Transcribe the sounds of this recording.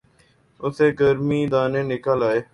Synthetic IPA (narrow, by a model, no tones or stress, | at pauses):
ʊseːɡəɾmiːd̪aːneːnɪkəlaːeː